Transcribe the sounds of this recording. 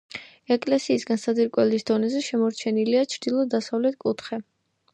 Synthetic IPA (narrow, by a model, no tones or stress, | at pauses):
ɛkʼlɛsiːsɡansad̪iɾkʼwɛlisd̪ɔnɛzɛʃɛmɔɾt͡ʃʰɛniliat͡ʃʰɾd̪ilˠɔd̪asavlɛt̪ʰkʼut̪ʰχɛ